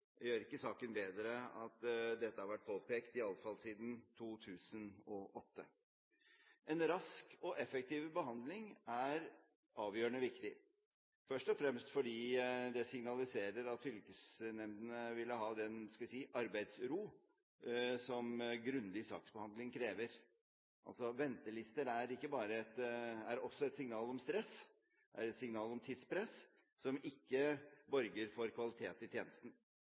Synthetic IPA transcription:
jøːɾɪkːəsɑːkənbeːd̪ɾəɑt̪d̪ɛt̪ːəhɑɾʋæʈ̚ːpʰoːpʰeːkt̪ɪɑlfɑlsiːd̪n̩t̪ʰuːt̪ʰʉːsənɔʔɔt̪ːə | ɛnɾɑskɔʔɛfɛk̚t̪iːʋbəɦɑnd̪lɪŋæɾ | ʔɑːʋjøːəɳəʋɪkt̪ɪ | fœʂʈɔfɾɛmst̪fɔɖiːd̪ɛsɪŋnɑlɪseːɾəɾɑt̪fʏlkəsnɛmd̪ənəʋɪlːəɦɑːd̪ɛnskɑʋɪsiːʔɑɾbæɪd̪sɾuː | sɔmɡɾʉnd̪ɪsɑ̰ːksbəhɑnd̪lɪŋkʰɾeːʋəɾ | ʔɑ̰lsɔʋɛnt̪əlɪst̪əɾæɾɪkːəbɑːɾəɛt̪æɾɔsːɔɛt̪sɪŋnɑːlɔmst̪ɾɛs | ʔæɾɛt̪sɪŋnɑːlɔmt̪ʰit̪spʰɾɛs | sɔmɪkːəbœɾɡəɾfɔɾkʰʋɑlɪt̪ʰeːt̪ɪt̪ʰjeːnəst̪n̩

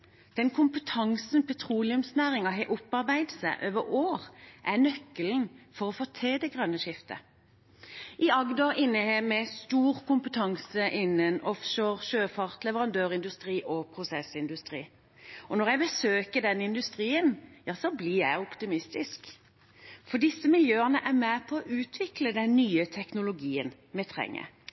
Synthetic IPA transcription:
d̪̥ɛnkʰʊmpət̪ʰɑŋsnpʰɛt̪ʰʁuːlɪʉmsnæːʁɪŋɑɦɛʔʊpːɑʁbæɪd̪sæ̰ʔøːʋəɾoːʁʔænœkːəln̩fɔʁɔfoːt̪ʰeːd̪ɛɡʁœnːəʃɪft̪ə̰ | ʔɪɑɡd̪ɑɪnːəheːmɛst̪uːʁkʊmpət̪ʰɑŋsəʔɪnːənɔfʃoːʁʃøːfɑʁt̪lɛʋəʁɑnd̪øːʁɪnd̪ʉst̪ɾiːʔɔpʰʁʊsɛsɪnd̪ʉst̪ʁiː | ɔnɔʁjæɪbəsøːkəd̪ɛnːəɪnd̪ʉst̪ɾiːənjɑːsɔblijæɪɔpt̪ɪmɪst̪ɪsk | fɔd̪ɪsːəmɪljøːənəʔæʁmæpʰɔːʔʉːt̪ʰʋɪkləd̪ɛnːyːət̪ʰɛknʊlʊɡiːən | mɛt̪ʰʁɛ̰ŋːə̰

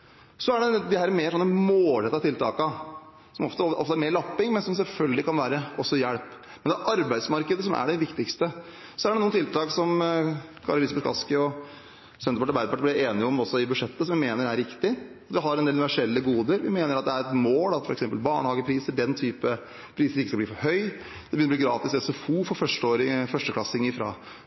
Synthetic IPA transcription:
sɔæɖɛd̪ɛhæːɾmeːɾʂɔnːəmoːlɛt̪ːɑt̪ʰɪlt̪ʰɑːkɑ | sɔmɔft̪əɔʔɔ̰ft̪æɾmeːɭɑpːɪŋmɛnsɔmsɛlfœlɡəlɪkʰɑnʋæːɾəɔsːɔjæɽp | mɛnd̪ɛæːʔɑɾbæɪsmɑɾkəd̪əsɔmʔæ̰ɖɛʋɪkt̪ɪkst̪ə | sɔæɖɛnuːənt̪ʰɪlt̪ɑːksɔmkʰɑ̰ːɾəlɪsbɛt̪kɑ̰skəɔ | sɛnt̪əpɑʈːəɾbæɪd̪əpɑʈːəblɪeːnɪɔmɔsːɔɪbʉʂɛt̪ːəsɔmʋɪmeːnəɾæɾɪkt̪ɪ | ɑt̪ʋɪɦɑɾɛnd̪eːlnʋæʂɛlːəɡuːd̪əɾʋɪmeːnəɾɑt̪̚d̪ɛæɾɛt̪moːlɑt̪fɔɾɛksɛmpəlbɑːɳəhɑːɡəpʰɾiːsəɖ̪ɛnt̪ʰyːpə | pʰɾiːsəɾɪkːəskɑb̪iːfɔɾɦœʏ | d̪ɛbəjʏnɾb̪iːɡɾɑːt̪ɪsɛsɔfuːfɔɾfœʂʈəoːɾɪfœʂʈəklɑsɪŋɪfɾɑ̰ː

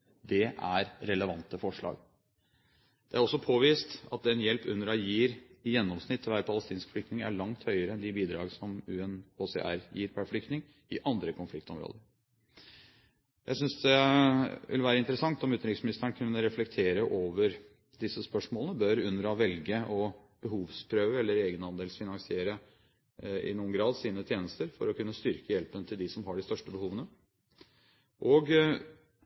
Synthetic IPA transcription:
d̪ɛʔæɾɾɛləʋɑnt̪əfɔʂɭɑ̰ːɡ | d̪̥ɛæɾɔsːɔpʰoːʋiːst̪ɑt̪̚d̪ɛnjɛlpʉnːəɾɑjiːɾjɛnːɔmsnɪt̪ʰːʋæːɾəpʰɑləst̪iːnskflʏkt̪nɪŋæ̰ɭɑŋt̪hœʏəɾəɛnd̪ɪbiːd̪ɾɑ̰ːɡəsɔmʉːɛnoːsɛ̰ʔæ̰ɾjiːɾpʰæflʏk̚t̪nɪŋ | ɪʔɑnd̪ɾəkʰɔnflɪkt̪ɔmɾo̰ːd̪əɾ | jʔæ̰ɪsʏnsd̪ɛ | ʋɪ̰lʋæːɾəɪnt̪əɾəsɑŋt̪ɔmʉt̪nɾɪksmɪnɪst̪əəɳkʰʉnːəɾɛflɛkt̪ʰeːɾəʔoːʋəɾ | d̪ɪsːəspœʂmoːlənəbœɾʉnːəɾɑʋɛlɡəʔɔb̥əɦuːʋspʰɾøːʋəɛlːəɾeːɡənɑnd̪eːlsfɪnɑŋsɪeːɾə | ɪ̰nuːənɡɾɑːd̪siːnət̪ʰjeːnəst̪əɾfɔ̰ɾɔkʉnːəst̪ʏɾkəjɛlpənət̪ʰɪld̪ɪsɔmɦɑɖɪst̪œʂʈəbəhuːʋənə | ʔoːɡ

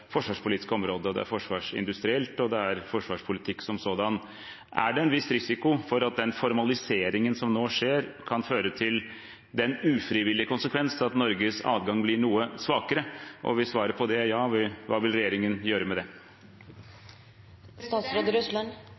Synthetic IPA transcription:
fɔʂʋɑːʂpʰʊliːt̪ɪ̥skəɔmɾoːd̪əɔd̪ɛ̰æ̰ɾfɔʂʋɑːʂɪ̰nd̪ʉst̪ɾɪɛlt̪ɔd̪ɛæɾfɔʂʋɑːʂpʰʊlɪt̪ʰɪkːsɔmsoːd̪ɑn | ʔæ̰ɖɛɛnʋɪst̪ɾɪsɪkʊfɔɾɑt̪̚d̪ɛnfɔɾmɑlɪseːɾɪŋənsɔmnoːʂeːɾkʰɑnføːɾət̪ʰɪl | d̪ɛnʉːfɾɪʋɪlːɪəkʊnsəkʰʋɛnsnɑt̪nɔɾɡəsɑ̰ːd̪ɡɑŋblɪɳuːəsʋɑːkəɾəʔɔ̰ʋɪsʋɑːɾəɾpʰɔd̪ɛjɑːʋɪʋɑ̰ːʋɪlɾɛjeːɾɪŋənjøːɾəmɛd̪ɛ | st̪ɑːt̪sɾoːd̪əɾʉslɑn

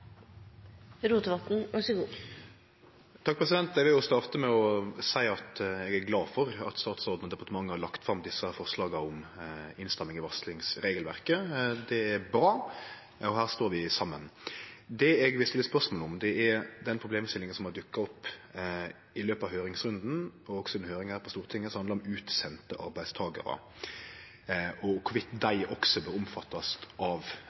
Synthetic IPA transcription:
ɾuːt̪əʋɑt̪n̩ɑsɔɡuː | t̪ʰɑk̚pʰʁɛsɪd̪ɛnt̪ɛʋɪljʊst̪ɑːʁt̪əmɛɔsæɪɑt̪ɛɡæɾɡlɑːfɔɾɑ̰t̪st̪ɑːt̪sɔɾd̪n̩ɔd̪ɛpɑɾt̪əmɑŋːəhɑlɑkt̪fɾɑmd̪ɪsːɑfɔɾʂlɑːɡɑɔmɪnst̪ɛmːɪŋɪʋɑslɪŋsɾeːɡəlʋæɾkəd̪ɛæɾbɾɑː | ɔɦæːʁst̪oːɾʋɪsɑmːənd̪ɛɛɡʋɪlst̪ɪləspœʁsmoːlɔmd̪ɛɛɾd̪ɛnpʰɾʊbleːmst̪ɪlɪŋənsɔmhɑd̪ʉkːɑɔpː | ɪløːpɑʋɦøːɾɪŋsɾʉnd̪n̩ɔɔksɔɛnhøːɾɪŋhæːɾpʰɔst̪uːʁət̪ʰɪŋːəsɔhɑnɑɾɔmʉːt̪sɛnt̪əʔɑ̰ɾbæɪst̪ʰɑːɡə̰ɾɑ̰ | ʔɔkʰʊʋɪt̪d̪æɪʔɔksɔbɛʊmfɑt̪ːɑst̪ʔɑʋ

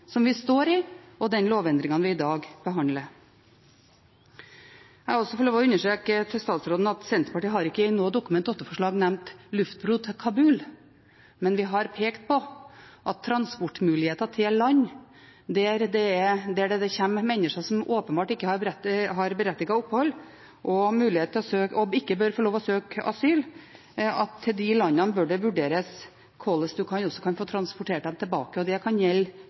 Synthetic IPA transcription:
sɔmʋɪst̪oːɾɪɔd̪ɛnloːʋɛnd̪ɾɪŋɑnʋɪɪd̪ɑːɡb̥əɦɑnd̪lə | æɛɡɔsɔfɔɭoːʋɔʉnːəʂøːkət̪ʰɪlst̪ɑːt̪sɾoːd̪n̩ɑt̪sɛnt̪ɾəpɑʈiːɦɑɾɪkːəɪnoːd̪ʊkːʉmɛnt̪ɔt̪əfɔʂɭɑːɡnæmnt̪lʉft̪̚bɾuːt̪ʰkʰɑbʉːl | mɛnʋɪɦɑɾpʰeːkt̪̚pʰɔʔɑt̪ʰːɾɑnspʊʈːmʉːlɪheːt̪ɑt̪ʰɪlːɑɲː | d̪ɛæɾd̪ɛæd̪ɛæɖɛd̪ɛçɛmmɛnːəʂɑsɔmoːpənbɑːʈɪkːəhɑɾbɾɛt̪ɦɑɾbəɾɛt̪ːɪɡɑʊpːhɔlː | ʔɔmʉːlɪheːt̪nt̪ʰlɔsøːkɔɪkːəbœɾfɔɭoːʋɔsøːkɑ̰syːl | ɑt̪ʰːɪld̪ɪlɑnːɑnbœɖɛʋʉɖeːɾəs | kʰɔlːəsd̪ʉkʰɑnɔsːɔ̥kʰɑnfoːt̪ʰɾɑnspʊʈʰeːʈd̪ɛmt̪ʰɛlbɑ̰ːkəɔd̪ɛkʰɑnjɛlː

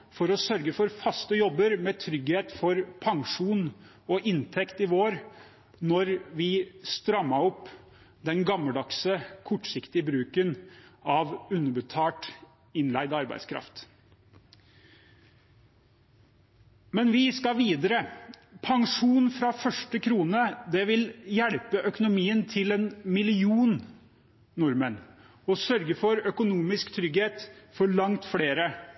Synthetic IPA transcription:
fɔɾɔsœɾɡəfɔɾfɑst̪əjɔbːəɾmɛːt̪ʰɾʏɡheːt̪fɔɾpʰɑŋʂuːn | ɔʔɪnt̪ʰɛkt̪ɪʋoːɾ | nɔɾʋɪst̪ɾɑmːəɔpː | d̪ɛnɡɑməd̪ɑksəkʰɔʈːsɪkt̪ɪəbɾʉːkənɑʋʉnːəbət̪ʰɑːʈ | ɪnlæɪd̪ɑɾbæ̰ɪd̪skʰɾɑ̰ft̪ | mɛnʋɪskɑʋiːd̪əɾə | pʰɑŋʂuːnfɾɑfœʂʈəkʰɾuːnəd̪ɛʋɪljæɽpəʔœkʊnʊmiːənt̪ʰɪlɛnmɪlɪuːnː | ʊɾmən | ɔsœɾɡəfɔɾœkʊnuːmɪskt̪ʰɾʏɡheːt̪fɔɭɑŋt̪fɽeːɾə

